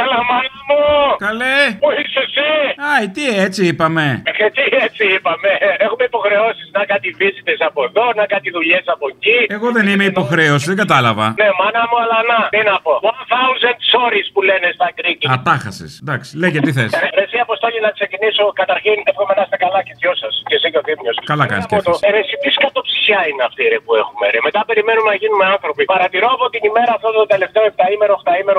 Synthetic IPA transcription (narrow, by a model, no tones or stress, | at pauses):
kɐlɐmɐnɐmukɐlepuisesiɐjt̪iet͡siipɐme̞eet̪iet͡siipɐme̞exumeipo̞xɾe̞o̞siznɐkɐt̪ivisit̪esɐpoðo̞nɐkɐt̪iðuʎesɐpo̞cie̞ɣo̞ðe̞nime̞ipo̞xɾe̞os̬iðeŋɡɐt̪ɐlɐvɐ̰nemɐnɐmuɐlɐnɐt̪inɐpo̞wɐnθɐunzɐnd̪so̞ɾispule̞nest̪ɐkɾik̪iɐt̪ɐxɐsḭsd̪ɐksi̥leʝet̪iθesɾeɾesiɐpost̪oʎinɐksecinisokɐt̪ɐɾçint̪efɣomenɐst̪ɐkɐlɐcet̪jo̞sɐscesicoðimɲo̞skɐlɐkɐ̰nist̪ot̪oeɾesip̪iskɐt̪o̞psi̥çɐineɐft̪iɾepue̞xumeɾeme̞t̪ɐpe̞ɾime̞numenɐʝinumeɐnθɾo̞pipɐɾɐt̪iɾo̞ɐpo̞t̪inime̞ɾɐːft̪ot̪t̪ot̪e̞le̞ft̪eoept̪ɐimeɾoxt̪ɐimeɾo